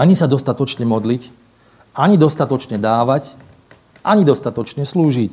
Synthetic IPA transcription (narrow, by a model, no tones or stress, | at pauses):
aɲisad̪ɔst̪at̪ɔt͡ʃɲɛmɔd̪lic | aɲid̪ɔst̪at̪ɔt͡ʃɲɛd̪aːʋac | ʔaɲid̪ɔst̪at̪ɔt͡ʃɲɛsluːʒic